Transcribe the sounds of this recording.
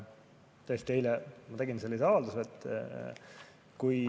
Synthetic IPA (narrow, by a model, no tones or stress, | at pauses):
t̪jest̪ejlɛmɑt̪eɡinse̞lːiseɑvɑld̪uset̪ː | kuj